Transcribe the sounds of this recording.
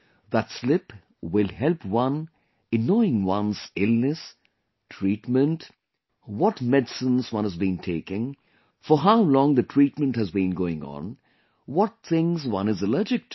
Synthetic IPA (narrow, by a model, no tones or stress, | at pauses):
ðətslɪp | wɪlˠhɛlpwʌ̃n | ɨnɔɪɪ̃ŋwʌ̃nzɪlˠnɨs | tʰɹiːtmə̃nt | wɔtmɛdsə̃nzwʌ̃nəzbĩntʰeɪkɪ̃ŋ | fəɦaʊlɔ̃ŋðɨtʰɹ̥iʈ̚mə̃nthɨzbĩnɡoːɪ̃ŋə̰̃n | wɔt̪̚t̪ʰɪ̃ŋzwʌ̰̃nɨzələ˞d͡ʒɪk̚t